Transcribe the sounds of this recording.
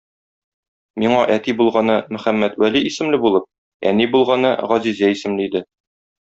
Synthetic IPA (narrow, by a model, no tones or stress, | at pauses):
miɴɑʔæt̪ibulˠʁɑnɤmɘ̆χæmːæt̪wæliːsɘ̆mlɘbulˠɤp̚ | æ̰nibulˠʁɑnɤʁɒzizæisɘ̆mlɘid̪ɘ